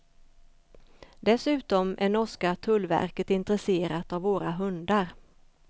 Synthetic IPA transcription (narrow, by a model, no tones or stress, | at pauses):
d̪ɛsʉ̟ːt̪ɔmʔæɳɔʂkat̪ʰɵlːvæ̰ɾkət̪ɪnt̪ɾɛseːɾat̪avːoːɾaɦɵnd̪aɾ